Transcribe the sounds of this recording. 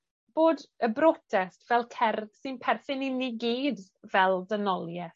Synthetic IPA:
b̥oːdəbɾɔtʰɛstv̥ɛlˠkʰɛrd̥sɨnpʰɛrθɪniniɡiːd | vɛlˠdənɔlˠjɛθ

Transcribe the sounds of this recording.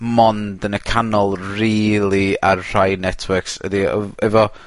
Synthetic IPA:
mɔndənəkʰanɔlˠriːlˠiar̥ajnɛtʰwəksə̰diɔ̰ɛvɔ

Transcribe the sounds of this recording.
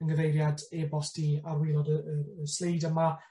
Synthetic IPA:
ənɡəvejɾjadɛbɔsd̥iarwɪlˠɔdəəəslˠejdəma

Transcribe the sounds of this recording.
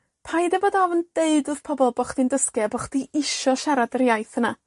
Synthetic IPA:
pʰajdɛvɔdɔvənd̥eɨdɨð̥pʰɔbɔlˠbɔχd̥indəskjɛabɔχd̥iɪʃɔʃaɾadərjajθəna

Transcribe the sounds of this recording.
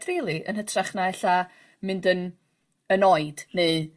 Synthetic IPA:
d̥riːlˠiʔə̰nɦətʰraχnaɛɬa | mɨndən | ənoːɨd̥ne

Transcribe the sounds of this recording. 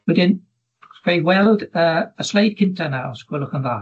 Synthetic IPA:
wɛdɪn | rewɛlˠdəːəslˠejd̚kʰɪntʰanaɔ̰skwɛlˠʊχənðaː

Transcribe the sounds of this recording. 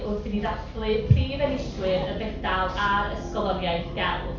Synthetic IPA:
ʔʊrdiniðaflˠɨpʰriːvɛnɪswɪɾəbɛdalˠaɾəskɔlˠɔnjajθɡ̥ɛl

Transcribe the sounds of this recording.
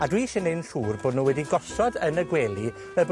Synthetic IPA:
adwiʃɪnenɬuːrboːdnuːwɛdiɡɔsɔdənəɡweːlˠi | vɛb

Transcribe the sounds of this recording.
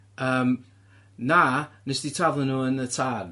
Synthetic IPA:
əːm | naːnəsd̥itʰravlˠɪnuːənətʰar

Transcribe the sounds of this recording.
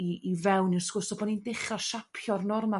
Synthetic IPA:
iːvɛwnirskʊrsɔbɔnindɪχaʃapʰjɔrnɔrma

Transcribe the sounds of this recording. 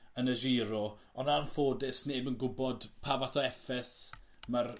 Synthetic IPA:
ənəʒiːɾɔ | ɔnanfoːdɪsneːbənɡʊbɔdpʰavaθɔɛfɛθmar

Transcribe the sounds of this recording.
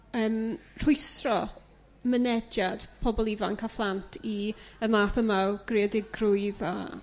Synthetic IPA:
əːmr̥ʊjsrɔ | mənɛd͡ʒad̥pʰɔbɔlˠivankʰaflˠantʰiəmaːθəmaɡ̥reɔdɪɡrʊɨða̰

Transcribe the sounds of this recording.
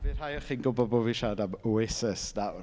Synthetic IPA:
v̥ir̥hajɔχinɡʊbɔbɔviʃadamoesəsnaw

